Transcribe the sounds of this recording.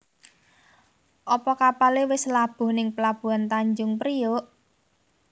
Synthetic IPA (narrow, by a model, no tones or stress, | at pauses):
ʔɔpɔkapalewɪslab̥ʊ̤hnɪŋpəlab̥ṳant̪aɲd͡ʒʊŋpəɾijoʔ